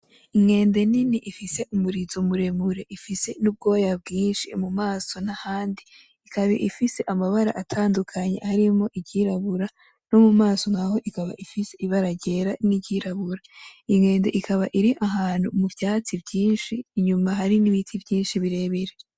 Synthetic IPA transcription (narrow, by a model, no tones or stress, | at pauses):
iŋe̞ːnde̞niniʔifise̞ʔumuɾizomuɾe̞muɾe̞ʔifise̞nub̚ɡo̞ːjab̚ɡiːnʃimumaːso̞nahaːndiː | kʰaβḭʔifise̞ʔamaβaɾa̰ʔatʰaːndukʰaɲe̞̰haɾimo̞ʔiɟiɾaβuɾa | no̞mumaːso̞ŋaho̞ʔikaβa̰ʔifiseʔiβaɾaɟe̞ɾaniɟiɾaβuɾaiŋe̞ːnde̞ʔikʰaβaʔiɾiʔaɦaːn̥hṵmuvjaːt͡sibɟiːnʃiːɲumaɦaɾiniβitʰibɟiːnʃiβiɾe̞βiɾe